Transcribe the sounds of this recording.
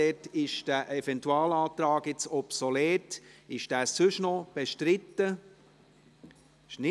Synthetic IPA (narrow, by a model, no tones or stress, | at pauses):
ɛtɪʃd̥æʔɛfɛntuɑːlɑːt̪ɾɑːɡɪt͡sɔpsoleːtɪʃd̥æːsʉʃnɔb̥eʃtɾɪt̪ːə | ɪʃnɪ